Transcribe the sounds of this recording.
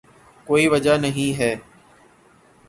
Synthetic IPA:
koːiːʋəd͡ʒaːnəɦĩːɦɛː

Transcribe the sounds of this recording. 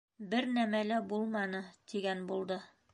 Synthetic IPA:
bɘɾnæmælæbulˠmɑnɤt̪iɡænbulˠd̪ɤ

